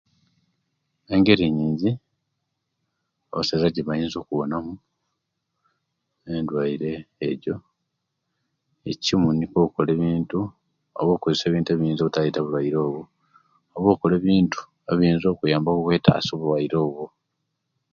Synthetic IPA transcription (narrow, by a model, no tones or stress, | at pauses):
e̞ŋɡe̞ɾiɲiːɲzi | oβaseɾaɟeβajiːnzo̞ːkuβo̞namu | endwaiɾe̞ːɟo̞ | ecimunikoːkole̞ːβiːntu | o̰βo̞ːkozese̞βiːntueβiiːnzoβutajitaβulwaiɾo̞ːβo | oβo̞ːkole̞ːβiːntu̥ | eβiiːnzo̞ːkujaːmbokukweːta̰so̞βulwajiɾo̞ːβo